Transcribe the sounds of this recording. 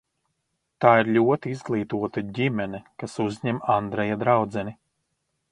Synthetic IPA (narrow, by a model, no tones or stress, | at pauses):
t̪aːiɾʎʲuɔt̪iizɡlˠiːt̪uɔt̪aɟimɛnɛkasuzʲɲɛmand̪ɾɛjad̪ɾawd̪zɛni